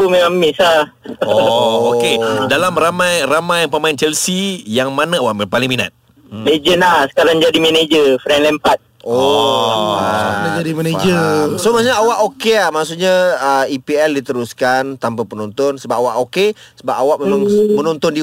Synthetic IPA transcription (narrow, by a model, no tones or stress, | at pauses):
pumemamːɪsa | ɔokedalamramajramajpəmaɪnt͡ʃɛlsijaŋmanaawaʔpalɪiŋmina̰t̪̚ | bed͡ʒənahsə̥kaɾaŋd͡ʒadimɛned͡ʒəfɾɛnlɛmpat̪̚ | ɔ | ad͡ʒadimaned͡ʒəsomasuɲaawaʔokeahmaʔsuʔɲaəipiɛldit̪əɾuskant̪ampapənɔnt̪ɔnsəbap̚awaʔoke | səbapawaʔməŋmənɔnt̪ɔndi